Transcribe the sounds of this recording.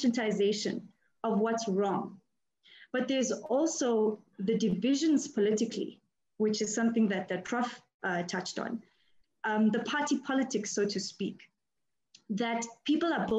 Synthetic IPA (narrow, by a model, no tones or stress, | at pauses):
ʃə̃ntaɪzeɪʃə̰̃n | ɔvwɔtsɹɔ̃ŋ | b̥ʌt̪̚ðəzɔlˠsoʊðədɪvɪʒə̃nz̥pʰɔlɪtɪkʰlḭ | wɪt͡ʃɨz̥sʌ̃mθɪ̃ŋðɨt̪̚ðɨtʰɹ̥ɔf | tʰʌt͡ʃtn̩ | ðəpʰatipʰɔlətʰɪksoʊtʰuspik | ðætpʰipələbo